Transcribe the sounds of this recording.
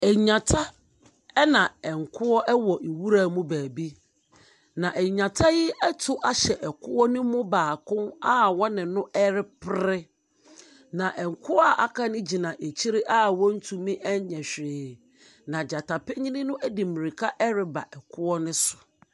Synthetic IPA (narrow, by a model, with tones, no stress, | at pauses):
ɛ˨˦ɲã˨tʰa˦ | ɛ˦nã˨ɛ˨ŋ˨kʰʊ˦ɔ˦ʔɛ˦wɔ˨ʔe˨wu˦ɾa˦˨mũ˦bæː˨bi˦ | nã˨ʔɛ˨ɲã˨tʰa˦jɪ˦ɛ˦tʰʊ˨ʔa˨ɕɛ˨ʔɛ˨kʰʊ˦ɔ˦nʊ̃˦mʊ̃˦baː˨kʊ̃˦na˦˨wɔ˦nɪ̃˨nʊ̃˦ʔɛ˦ɾɪ˦pʰɪ˦ɾɪ˦ | nã˨ʔɛ˨ŋ̩˨kʰʊ˦ɔ˦a˨ʔa˦kʰã˦nɪ̃˦d͡ʑi˨nã˨ʔe˨t͡ɕʰi˦ɾɪ˦ʔa˦wɔ̃˦n̩˦tʰũ˨mĩ˦ʔɛ˦ɲɛ˨ɕᶣɾɪː˨ | nã˨d͡ʑa˨tʰa˨pɪ˦ɲĩ˦nɪ̃˦nʊ̃˦æ˦di˨mĩ˨ɾi˨kʰa˦ʔɛ˦ɾɪ˨ba̰˨ʔɛ˨kʰʊ˦ɔ˦nɪ̃˦sʊ̥˨